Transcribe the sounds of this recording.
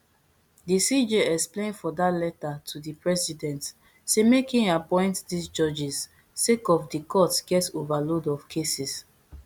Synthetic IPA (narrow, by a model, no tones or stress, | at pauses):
disid͡ʒeɛksplẽnfɔdatlɛtatʰudipɹɛsidɛ̃nt | semekĩŋapɔ̃ɪ̃ntdisd͡ʒɔd͡ʒisː | ekɔfdikʰɔtsɡɛtovalodɔvkʰesis